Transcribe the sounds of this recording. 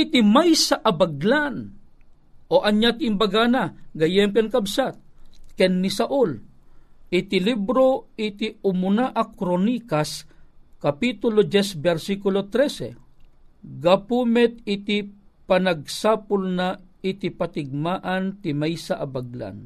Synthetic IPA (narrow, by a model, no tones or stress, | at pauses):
it̪imajsaʔabaɡlan | ʔoʔaɲjat̪imbaɡanaɡɐjɛmkɛnkabsat̪̚kɛnːɪsaʔul | ɪt̪ilibɾoɪt̪iʊmʊnaʔakɾonikaskapit̪ʊlod͡ʒɛsbɛɾsikʊlot̪ɾɛsɛ̰ | ɡapumɛt̪̚ɪt̪ipanaɡ̚sapʊlna | ɪt̪ipat̪ɪɡ̚maːʔant̪ɪmajsaʔabaɡla̰n